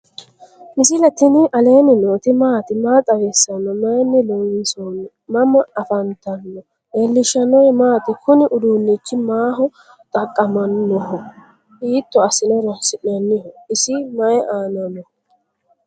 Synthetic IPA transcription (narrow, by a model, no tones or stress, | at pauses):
mɪsɪlɐt̪ɪnɪʔɐle̞ːnɪnoːt̪ɪmaːt̪ɪmaːt̪ʼɐwɛsːɐnːɔmɐjɛnːɪlɔsɔnɛ | mɐmɐɐfɐnt̪ɐnːɔ | jɛlːɪʃɐnɔjmaːt̪ɪkʊnɪʔʊd̪uːnːit͡ʃːɪmaːɦɔ | t̪ʼɐkʼːɐmɐnːɔhɔ | iːt̪ːɔɐsɪnɔɾɐhsɪɗɐnːɪhɔɪsɪmɐjɛʔaːnɐnːɔ